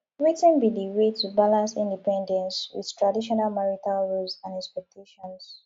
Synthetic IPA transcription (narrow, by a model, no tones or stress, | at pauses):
ɹitə̃nbidiwetubalãnsĩndipɛ̃ndɛ̃nswḭð̥tʰɹadiʃ̬ɔnalmɛɹitalɹulsãnɛkspɛk̚tʰeʃɔ̃ns